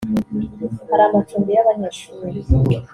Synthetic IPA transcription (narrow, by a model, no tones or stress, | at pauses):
haɾaːmatuːmbijaβaɲaːʃuːɾiɾ